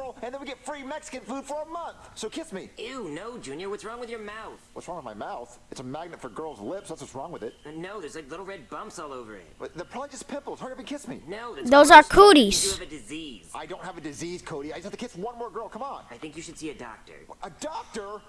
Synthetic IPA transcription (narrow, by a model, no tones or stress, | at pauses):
l̩ˠɨ̃nðɨ̃nwiɡɛttfɹimɛksɨ̥kɨ̃nfud̥fə˞əmʌ̃nθsoʊkʰɪsmijʉnoʊd͡ʒʉ̃njə˞wʌtsɹɔ̃ŋwɨðjə˞maʊθwʌtsɹɔ̃ŋwɨðmaɪmaʊθ | ɨtsəmæɡ̚nɨtfə˞ɡɜ˞lˠzlɪpsðætswʌtsɹɔ̃ŋwɨðɪt̚noʊðə˞zlaɪklɪɾl̩ˠɹɛd̚bʌ̃mpsɔlˠoʊvə̰˞ɪ̰t̚ðɨpʰʌd͡ʒɨspʰɪ̃mpl̩ˠz̥həɹɨvɨ̃nkʰɪsmḭnoʊððoʊzə˞kʰoʊɾiz̥ɨɨvɨdɨziz̥ʔaɪdõʊ̃ntɦɨvɨdɨziz̥kʰoʊɾiaɪd͡ʒʌshæftɨkʰɪswʌ̃nmɔɹɡɜ˞lˠkʰʌ̃mə̃n̩aɪθɪ̃ŋkjɨʃɨd̥siɨdɔ̰k̚tə̰˞ədɑk̚tə˞